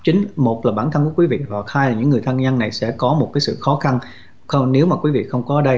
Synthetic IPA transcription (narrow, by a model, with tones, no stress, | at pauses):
t͡ɕï˨˦ŋ̟mo˨˩t̚laː˨˩ɓaː˧˩nt̪ʰə˧nku˧˩əkwi˨˦vḭ˧˨ha˨˩k̚haː˧jlaː˨˩ɲɨ̰˧˥ŋːɨ˨˩əjt̪ʰə˧ŋɲa˧nːa˨˩jsɛ̰˧˥kɔ˨˦mo˨˩t̚kaː˨˦jsɨ̰˧˨xɔ˨˦xa˧n | xə˧wne˨˦wmaː˨˩kwi˨˦vḭ˧˨xə˧wŋ͡mkɔː˨˦˧ɗə˧j